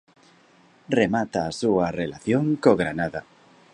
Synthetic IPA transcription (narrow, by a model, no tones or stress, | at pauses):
remat̪aːsuɐrelaθjoŋkoɣɾanaða